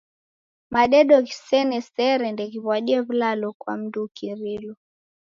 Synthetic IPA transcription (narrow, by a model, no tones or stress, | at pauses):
maɗɛɗɔɣi̥sɛnɛsɛɾɛndɛɣiβwaɗiɛβulalɔkwa̰m̩dukiɾilɔ